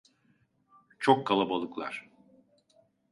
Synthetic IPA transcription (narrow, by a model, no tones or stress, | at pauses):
t͡ʃʰokːalˠabalˠɯklˠa̰ɾ̥